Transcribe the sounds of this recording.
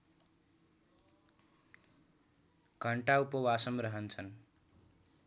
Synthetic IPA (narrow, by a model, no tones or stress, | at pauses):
kʌɳʈaupʌwasʌmrʌɦʌnt͡sʰʌn